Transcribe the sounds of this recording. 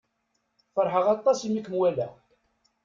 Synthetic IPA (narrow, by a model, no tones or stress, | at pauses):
fəɾˤħəʁɑt̪ˤːɑsimikːəmwælæ